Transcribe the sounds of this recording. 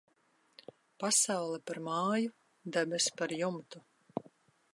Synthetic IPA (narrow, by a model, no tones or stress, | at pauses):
pasawlˠɛpaɾmaːju | d̪ɛbʲɛspaɾjumt̪u